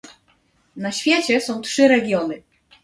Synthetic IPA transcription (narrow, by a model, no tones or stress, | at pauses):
naɕfʲjɛt͡ɕɛsɔ̃w̃tʂɘɾɛɡʲjɔnɘ